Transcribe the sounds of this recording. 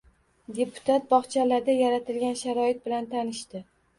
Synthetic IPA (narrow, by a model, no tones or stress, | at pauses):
d̪e̞pʰʊ̥t̪ʰat̪̚bɒχt͡ʃʰalaɾd̪ajaɾat̪ɪlɡʲanʃaɾɒɪt̪̚bɪlant̪ʰanɪʃt̪ɪ